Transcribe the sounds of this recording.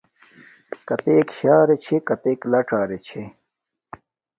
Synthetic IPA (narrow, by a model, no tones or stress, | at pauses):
kɐt̪eːkɕaːɾet͡ɕʰekɐt̪eːklɐʈ͡ʂaːɾet͡ɕʰe